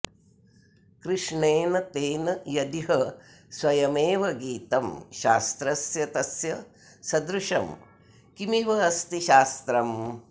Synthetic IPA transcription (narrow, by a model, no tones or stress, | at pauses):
kɾɪʂɳeːnɐt̪eːnɐjɐd̪iɦɐ | swɐjɐmeːʋɐɡiːt̪ɐmʃa̰ːst̪ɾɐsjɐt̪ɐsjɐ | sɐd̪ɾuʂɐm | kimiʋɐːst̪iʃaːst̪ɾɐm